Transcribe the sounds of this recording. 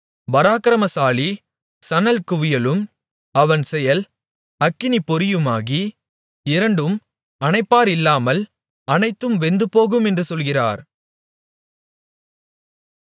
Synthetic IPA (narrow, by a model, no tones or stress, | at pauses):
bɐɾaːkɐɾɐmɐsaːli | sɐnɐlkʊʋɪjɐlɯm | ɐʋɐnsɛjɐl | ɐkːɪnipːɔɾɪjɯmaːɣi | ɪɾɐɳɖɯm | ɐnɐɪpːaːɾɪlːaːmɐl | ɐnɐɪt̪ːɯmʋɛnd̪ɯpoːɣɯmɛndrɯsɔlɣɪra̰ːɾ